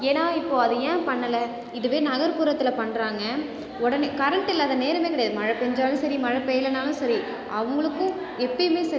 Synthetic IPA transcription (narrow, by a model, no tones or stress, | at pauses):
eːnaːɪpːoːɐðɯɛ̃ːpɐɳːɐlɐ | ɪðɯʋeːnɐɣɐɾpuːɾɐt̪ːɪlɐpɐɳːɾaːŋɡɐ | ɔɽɐnekɐɾɐɳʈːɪlɐːðɐneːɾɐmeːk̬ɪɽɐjaːðɯmɐɻɐpɛɲd͡ʒaːlɯ̃sɐɾimɐɻɐpːɛjɪlɐnaːlɯ̃sɐɾi | ʔɐʋɐŋɡɐɭɯkːʊ̃ | ɛpːɐmeːsɐ